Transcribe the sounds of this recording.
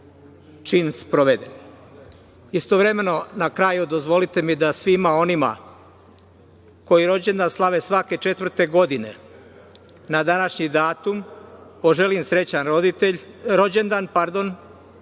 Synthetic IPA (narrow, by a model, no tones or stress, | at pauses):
t͡ʃinspɾoʋed̪ḛn | ist̪o̞ʋɾe̞me̞no̞nakɾajud̪o̞zʋo̞lit̪e̞mid̪asʋimao̞nima̰ | ko̞jiɾo̞d͡ʑe̞nd̪anslˠaʋe̞sʋake̞t͡ʃe̞t̪ʋr̩t̪e̞ɡo̞d̪ine̞̰ | nad̪anaʃɲid̪aːt̪umpo̞ʒe̞limsɾe̞t͡ɕanɾoieɾo̞d͡ʑend̪anpaɾd̪o̞n